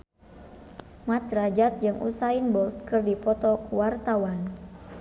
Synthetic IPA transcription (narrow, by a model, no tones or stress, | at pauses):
mat̪rad͡ʒat̪̚d͡ʒɨŋʔṵsainbɔlt̪̚kɨrdipɔt̪ɔwart̪awan